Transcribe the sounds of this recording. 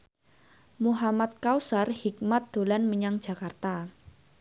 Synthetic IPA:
muɦamat̪̚kawsarhik̚mat̪̚d̪̥o̤lanməɲaŋ̥d͡ʒ̥a̤kart̪a

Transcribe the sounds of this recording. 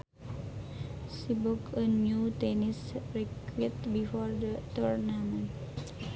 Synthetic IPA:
sibukənjut̪ɛnisɾikwit̪̚bifɔrdət̪urnamə̃n

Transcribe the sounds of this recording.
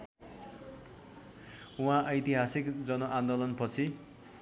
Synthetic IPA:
uɦãʔʌjt̪iɦasikd͡zʌnoʔãnd̪olʌnpʌt͡sʰi

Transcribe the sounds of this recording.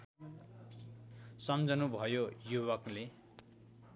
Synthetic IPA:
sʌmd͡zʱʌnubʱʌjojuwʌkle

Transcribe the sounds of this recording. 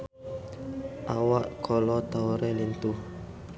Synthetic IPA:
ʔawaʔkʰɔlɔt̪auɾɛlint̪uh

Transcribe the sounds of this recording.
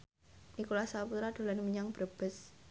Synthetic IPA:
nikulasaput̪ɾad̪̥o̤lanimiɲaŋb̥ɾəb̥əs

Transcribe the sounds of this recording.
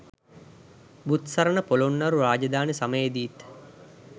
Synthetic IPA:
but̪sɐɾənəpolonːaɾuɾaːd͡ʒɐd̪aːnesaməjed̪iːt̪

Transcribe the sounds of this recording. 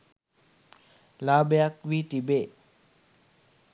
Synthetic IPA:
labjak̚wiʈibe

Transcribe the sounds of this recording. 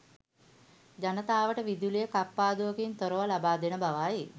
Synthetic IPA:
d͡ʒanət̪aːʋəʈəʋid̪ulijəkapːaːd̪uʋəkint̪oɾoʋalabaːd̪enəbaʋaːji

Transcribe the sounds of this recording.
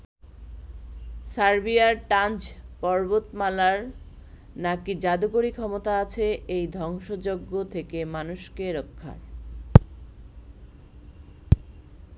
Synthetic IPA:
saɾbiaɾʈand͡ʑpɔɾbot̪malaɾ | nakid͡ʑad̪ukoɾikʰɔmot̪aat͡ɕʰeejd̪ʱɔŋʃod͡ʑoɡːot̪ʰekemanuʃkeɾokʰːa̰ɾ

